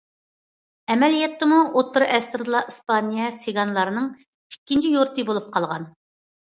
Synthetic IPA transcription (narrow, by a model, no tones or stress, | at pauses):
ɛmɛlijɛt̪ːɨmuʔot̪ʰːuɾʔɛsɾɨd̪ɨlˠɑʔispɑnijɛseɡɑnlˠɑɾɨnɨŋʰ | i̥kʲːint͡ʃʰijoɾt̪ʰɨbolˠup̚qʰɑlˠʁɑ̰n